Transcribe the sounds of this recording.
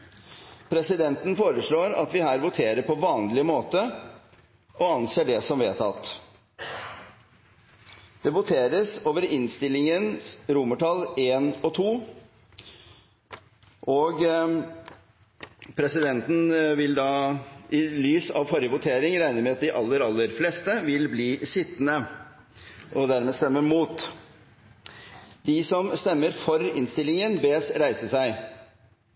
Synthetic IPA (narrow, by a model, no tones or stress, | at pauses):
pʰɾɛsɪd̪ɛnt̪n̩foːɾəʂɭoːɾɑ̰t̪ʋɪhæːɾʋʊt̪ʰeːɾəɾpʰɔʋɑːnlɪəmoːt̪ə | ʔɔɑnseːɖɛsɔmʋeːt̪ʰɑ̰t̪ | d̪̥ɛʋʊt̪ʰeːɾəsoːʋəɾɪnst̪ɪlːɪŋənɾʊməʈʰɑleːnɔt̪ʰuː | ʔɔɡ | pʰɾɛsɪd̪ɛnt̪n̩ʋɪld̪ɑːɪlyːsɑʋfɔɾjəʋʊt̪ʰeːɾɪŋɾæɪnəmɛɑt̪̚d̪ɪʔɑlːəɾɑlːəɾflɛst̪əʋɪlbliːsɪt̪ːnə | ʔɔd̪æɾmɛst̪ɛmːəɾmuːt̪ | d̪ɪsɔmst̪ɛmːəɾfɔɾɪ̰nst̪ɪlːɪŋənbeːsɾæɪsəsæɪ